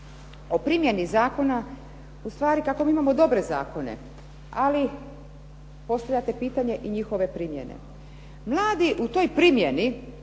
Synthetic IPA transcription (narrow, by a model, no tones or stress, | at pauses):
o̞pɾimje̞nizaːko̞na | ust̪ʋaːɾikakomiːimamo̞d̪o̞bɾe̞za̰ːko̞nḛ | ali | po̞st̪aʋlʎat̪e̞piːt̪aɲe̞ʔiɲixo̞ʋe̞pɾimje̞̰nḛ | mlˠaːd̪iʔut̪o̞jpɾimjeni